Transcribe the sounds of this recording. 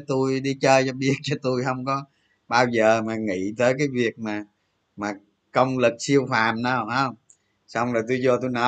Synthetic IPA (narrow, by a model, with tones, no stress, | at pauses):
t̪u˧jɗi˧t͡ɕəː˧jt͡ɕɔ˧ɓi˦˥ət̚t͡ɕɔ˧t̪u˧jɦə˧wŋ͡mkɔ˨˦ | ɓaː˧wzəː˨˩maː˨˩ŋḭ˧˨t̪əː˨˦jkaː˨˦jvi˨˩ək̚maː˨˩ | maː˨˩ | kə˧wŋ͡mlɨ˨˩k̚si˧əwfaː˨˩mna˧˩ha˧wŋ͡m | sa˧wŋ͡mlɔː˨˩jt̪u˧jzɔ˧t̪u˧jnə˨˦